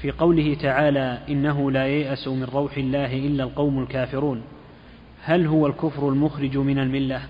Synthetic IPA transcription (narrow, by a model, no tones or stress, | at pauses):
fiːqɑwlɪhɪt̪aʕaːlaːʔɪnːaɦʊlaːjajʔasʊmɪnɾˤɑwħɪlːaːɦɪʔɪlːaːlqɑwmalkaːfɪɾuːn | halɦʊwalkʊfɾʊlmʊxɾɪd͡ʒmɪnalmɪlːa